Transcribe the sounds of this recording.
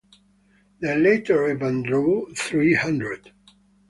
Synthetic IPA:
ðeleɪtʰə˞ɪvə̃ndɹuθɹihʌ̃ndɹɨd̥

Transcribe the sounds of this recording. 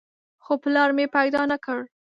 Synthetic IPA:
xoplɑɾmepajd̪ɑnakəɽ

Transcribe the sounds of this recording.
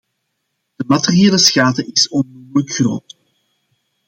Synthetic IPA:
d̥əmɑterieːləsxaːtəʔɪsɔnmuwələkxro̰ːt

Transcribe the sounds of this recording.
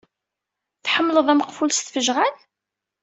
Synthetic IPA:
θħəmːləðˤæməqfulst̪fəʒʁan

